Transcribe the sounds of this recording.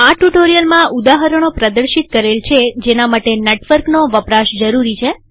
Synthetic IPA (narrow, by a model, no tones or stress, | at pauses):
aʈuʈoɾijəlmãud̪aɦəɾəɽ̃opɾəd̪əɾʃit̪̚kəɾelt͡ʃʰed͡ʒenamaʈeneʈʋəɾknoʋəpɾaʃd͡ʒəɾuɾit͡ʃʰe